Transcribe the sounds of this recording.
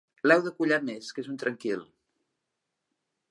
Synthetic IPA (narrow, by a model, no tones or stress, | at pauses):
lɛwðəkuʎameskezunt̪ɾəŋkil